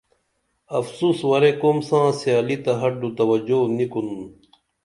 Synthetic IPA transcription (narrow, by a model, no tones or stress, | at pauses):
ɐfsuːswɐɾekomsãːsjaːlit̪ɐɦɐɖut̪ɐwɐd͡ʑonikunu